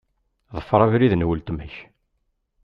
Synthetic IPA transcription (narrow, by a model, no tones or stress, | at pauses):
ðˤəfːɾˤævɾiðnwəlt̪məç